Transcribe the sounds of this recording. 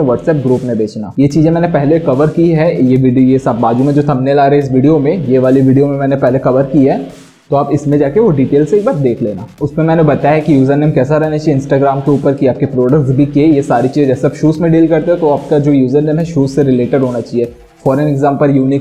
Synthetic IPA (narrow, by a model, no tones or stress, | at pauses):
eʋɔːʈsɛːp̚ɡɾuːpmẽbeːt͡ʃna̰ːjet͡ʃiːzẽmɛːnepɛɦlekɐʋəɾkiɦɛjeʋiɖijesɐbaːd͡ʒumẽd͡ʒoːt̪ʰɐmnelaːɾeeɪs̬ʋiːɖijomẽjeʋaːliʋɪːɖijomẽmɛ̃ːnepɛɦlekɐʋəɾkiɦɛː | t̪oaːpɪsmẽd͡ʒaːkeʋoɖiːʈeːlseɪk̚baːɾ̚d̪eːkʰleːnaːʊsmẽmɛːnebɐt̪ajaɦɛkijuːzəɾneːmkɛːs̬aɾɛɦnat͡ʃaːieɪ̃nsʈaːɡɾaːmkeuːpəɾkieaːp̚kepɾoːɖək̚ʈsbʱikiejesaːɾit͡ʃiːzẽd͡ʒɛːseaːbʃuːsmẽɖiːlkɐɾt̪eɦɛ̃t̪oaːp̚kad͡ʒoːjuːzəɾneːmɦɛʃuːzseɾɪleːʈɪɖɦoːnat͡ʃaːɦieː | fɔːɾɛnɛɡzãːmpəɾjuːnɪk